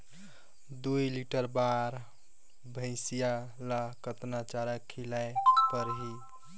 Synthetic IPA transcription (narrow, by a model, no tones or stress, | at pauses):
d̪uiliʈəɾbaɾ | bʱə̃ɪ̃sija | lakət̪nat͡ʃaɾəkʰːilajpəɾɦi